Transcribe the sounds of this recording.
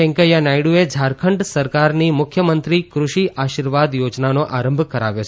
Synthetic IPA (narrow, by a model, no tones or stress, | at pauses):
ɛ̃ŋkəjanajɽued͡ʒʱaɾkʰəɳɖsəɾkaɾnimʊkʰjəmənt̪ɾikɾuʃiʔaʃiɾʋad̪jod͡ʒnanoʔaɾəmbʱkəɾa̰ʋjot͡ʃʰ